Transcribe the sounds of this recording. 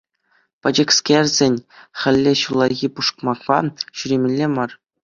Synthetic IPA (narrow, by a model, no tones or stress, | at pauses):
pʲɘ̆d͡ʑɘ̆kskʲerʲzʲenʲχʲɘ̆lʲːeɕulˠːɑɣʲipuʂkmɑkpɑ̰ɕyɾʲemʲĕlʲːemɑr